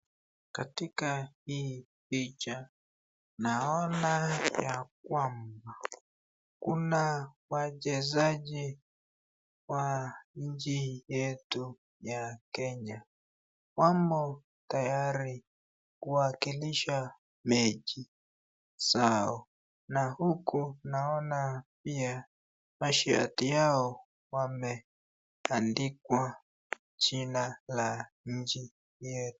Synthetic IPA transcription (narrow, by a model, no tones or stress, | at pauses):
katikahi | pit͡ʃa | naɔnajakwamba | kunawaʄɛzaʄi | waɲ̩d͡ʒijɛtu | jakɛɲa | kwambɔ | tajaɾi | kuakiliʃa | med͡ʒi | saɔ | nahukunaɔnapia | maʃia̰tijaɔ | wamɛ | andikwa | t͡ʃinala | ɲ̩d͡ʒi | jetu̥